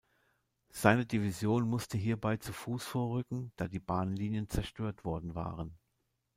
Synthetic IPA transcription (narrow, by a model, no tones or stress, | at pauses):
z̥aɪnədivizjoːnmʊstəɦiːɐbaɪt͡sufuːsfoːɐʁʏkŋ̩d̥aːdiːbaːnnliːnjənt͡sɛɐʃtøːɐtv̥ɔɐdn̩va̰ːʁən